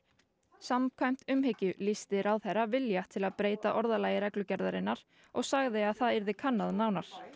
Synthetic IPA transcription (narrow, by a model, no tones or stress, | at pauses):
samkʰvajm̥t̪ʏmhɪcʏlist̪ɪɾawðθɛɾavɪljat̪ʰɪlaðpɾeːjt̪aʔɔɾðalaːjɪɾɛklʏcɛɾðaɾɪnːaɾ̥ | ɔɣsaɣðɪaðθaðiɾðɪkʰanːaðnaːwnaɾ̥